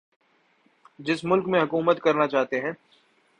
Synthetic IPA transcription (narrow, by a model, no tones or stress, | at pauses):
d͡ʒɪsmʊlkmẽɦɐkuːmət̪kɐɾnat͡ʃaːɦt̪eɦɛ̃ː